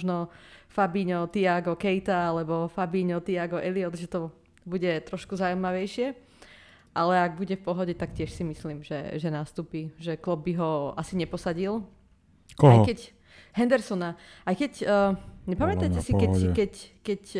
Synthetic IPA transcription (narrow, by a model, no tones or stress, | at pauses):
ʒnɔfabiːɲɔt̪iaɡɔkɛjt̪aalɛbɔfabiːɲɔt̪iaɡɔʔɛliɔt̪ʒɛt̪ɔ | buɟɛt̪ɾɔʃkuzaujmaʋɛjʃɪɛ | ʔalɛaɡ̚buɟɛfpɔɦɔɟɛt̪akcɪɛʃsimisliːmʒɛ̰ʒɛnaːst̪uːpiʒɛklɔb̚ːiɦɔasiɲɛpɔsaɟil | kajkɛc | ɦɛnd̪ɛɾsɔnaajkɛcː | ɲɛpamɛt̪ajcɛsikɛkɛckɛc